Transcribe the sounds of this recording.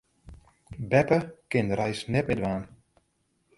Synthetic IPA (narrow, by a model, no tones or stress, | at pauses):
bɛpəkɪndəɾɛjsnɛt̚mɪdʋaːn